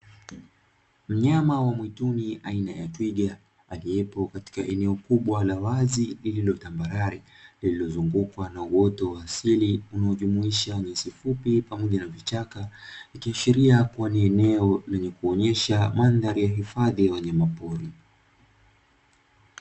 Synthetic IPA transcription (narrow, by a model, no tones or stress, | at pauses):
m̩ɲamawamwituniʔainajatwiɠa | aliɛpɔkati̥kaʔɛnɛɔkuɓwalawazilililɔtambaɾaɾi | lililɔzuŋɡukwanauwɔtɔwaːsiliunaɔʄumuiʃaɲɛsifupipamɔʄanavit͡ʃakaikiaʃiɾiakuwaniɛnɛɔlaɲɛkuɔɲɛʃamanðaɾijaɦifaðijawaɲamapɔɾi